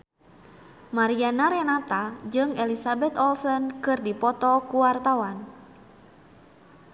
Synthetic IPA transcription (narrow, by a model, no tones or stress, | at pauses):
maɾianaɾɛnat̪ad͡ʒɨŋɛlisabɛt̪ɔlsɔnkɨrdipɔt̪ɔkuwart̪awan